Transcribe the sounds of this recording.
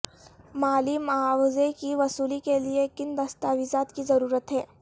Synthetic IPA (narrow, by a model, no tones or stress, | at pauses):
maːlimɐaːwzekiʋɐsuːlikeliekɪnd̪ɐst̪aːʋizaːt̪kizɐɾuːɾət̪ɦɛː